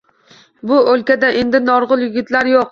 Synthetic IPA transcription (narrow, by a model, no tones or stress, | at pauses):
bʊolkʲad̪aʔe̞nd̪ɪnɒɾʁʊlˠjɪɡʲɪt̪laɾjoq